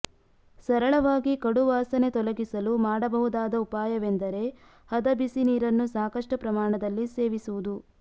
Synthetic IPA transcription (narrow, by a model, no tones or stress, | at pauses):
sɐɾɐɭɐʋaːɡikɐɽuʋaːsɐne̞t̪ɔlɐɡisɐlumaːɽɐbɐɦud̪aːd̪ɐupaːjɐʋend̪ɐɾe̞ | hɐd̪ɐbisiniːɾɐnːusaːkɐʂʈɐpɾɐmaːɳɐd̪ɐlːise̞ːʋisuʋud̪u